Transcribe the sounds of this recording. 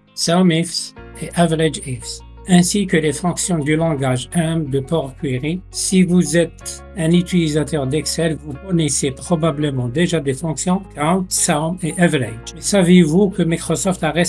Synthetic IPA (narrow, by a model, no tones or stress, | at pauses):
sawmifs | eʔavlɛd͡ʒifs | ɛ̃sikəlefɔ̃ksjɔ̃d̪ylɑ̃ɡaʒɛ̃md̪əpɔʁkɥiʁisivuzɛt̪ | ɛ̃nyt̪ilizat̪œʁd̪ɛksɛlvukɔnesepχɔbabləmɑ̃d̪eʒad̪efɔ̃ksjɔ̃kamsameʔavlɛ̰d͡ʒmɛsavevukəmikχɔsɔft̪aʁɛ